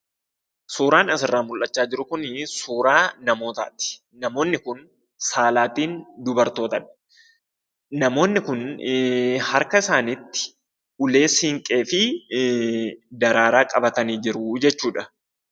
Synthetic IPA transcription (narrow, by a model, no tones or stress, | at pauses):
suːɾaːnɐs̬ɪrːaːmʊlʔɐt͡ʃːaːd͡ʒɪɾʊkʊnsuːɾaːnɐmo̞ːt̪a̰ːt̪ɪ̥ | nɐmo̞ːnːɪkʊn | saːlaːt̪iːnd̪ʊbɐɾt̪o̞ːt̪ɐᶑ | nɐmo̞ːnːɪkʊn | hɐɾkɐɪsaːnɪt̪ːɪ̥ | ʔʊle̞ːsɪŋkʼe̞ːfɪ | d̪ɐɾaːɾaːkʼɐbɐt̪ɐniːd͡ʒɪɾʊd͡ʒɛt͡ʃːuːᶑɐ̥